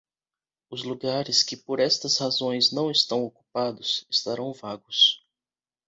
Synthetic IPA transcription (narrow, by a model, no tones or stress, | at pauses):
ʊzluɡaɾɪskɪpoɾɛst̪ɐshazõj̃znɐ̃w̃est̪ɐ̃w̃oku̥pad̪ʊsɪ̥st̪aɾɐ̃w̃vaɡʊs